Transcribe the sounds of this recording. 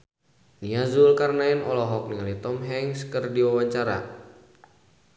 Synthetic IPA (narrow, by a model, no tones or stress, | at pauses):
niazʊlkarnainɔlɔɦɔk̚niŋalit̪ɔmɦɛŋskərdiwawaɲt͡ʃaɾa̰